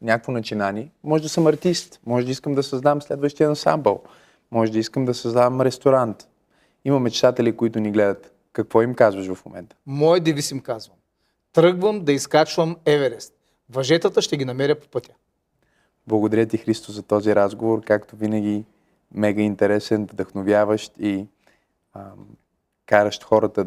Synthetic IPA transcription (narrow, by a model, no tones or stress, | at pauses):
nʲakəkvonɐt͡ʃinaniɛmɔʒɛd̪ɐsəmɐɾt̪ist̪mɔʒɛd̪əiskəmd̪ɐsɐzd̪amslɛd̪vəʃt̪iɛd̪nsa̰mbəlˠ | mɔʒɛd̪əiskəmd̪ɐsɐzd̪avəmɾɛst̪oɾant̪ | imɐmɛt͡ʃt̪at̪ɛlikoit̪ʊniɡlɛd̪ət̪ | kɐkvɔimkazvəʃvɐfmomɛ̰nt̪ə̥mɔjɛd̪ɛvisimkazvɐm | t̪ɾɤɡvəmd̪ɐiskat͡ʃvəmɛvɛɾɛst̪ | vɐʒɛt̪ət̪əʃt̪ɛɡʲinɐmɛɾʲəpo̥pɤt̪ʲə | blˠɐɡod̪ɐɾʲət̪ixɾist̪ozɐt̪ɔziɾazɡovoɾkakt̪ovinəɡ̟ʲi | mɛɡəint̪ɛɾɛsɛnvd̪ɐxnovjavəʃt̪i | kaɾəʃt̪xɔɾət̪ə